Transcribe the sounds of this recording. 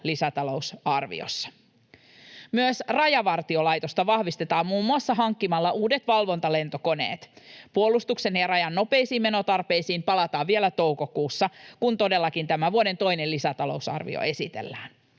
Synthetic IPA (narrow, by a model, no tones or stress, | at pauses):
lisæt̪ɑlo̞usɑrʋḭo̰sːɑ̥ | myøsrɑjɑʋɑrt̪iolɑjt̪o̞st̪ɑʋɑhʋist̪e̞t̪ɑːmmuːmːuɑsːɑɦɑŋkːimɑlːɑʔuːde̞t̪ʋɑlʋo̞nt̪ɑle̞nt̪o̞ko̞ne̞̰ːt̪puolːˑust̪ukse̞njɑrɑjɑnːo̞pe̞isiːme̞no̞t̪ɑrpe̞jsiːmpɑlɑt̪ɑːʋʋielæt̪o̞wko̞kuːsːɑkunt̪o̞de̞lːɑkint̪æmæʋuode̞nt̪o̞jnelisæt̪ɑlo̞usɑ̰rʋḭo̰e̞sit̪ḛlːæːn